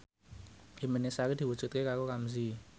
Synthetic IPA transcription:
ʔimenesakid̪̥i̤wud̥ʒ̥ṳt̪̚kekakokamzi

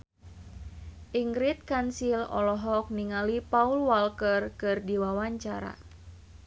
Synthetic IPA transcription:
ʔiŋɡɾit̪̚kansilɔ̰lɔɦɔk̚niŋalipaulwalkərkɨrdiwawaɲt͡ʃaɾa̰

